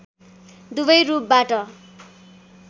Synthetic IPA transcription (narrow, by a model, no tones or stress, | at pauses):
d̪ubʌjɾup̚baʈʌ